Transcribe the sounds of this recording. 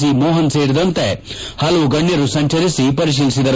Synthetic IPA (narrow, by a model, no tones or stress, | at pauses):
simɔːɦɐnse̞ːɾid̪ɐnt̪ehɐlɐʋuɡɐɳːjɐɾusɐɲt͡ʃɐɾisipɐɾiʃ̬iːlisid̪ɐɾ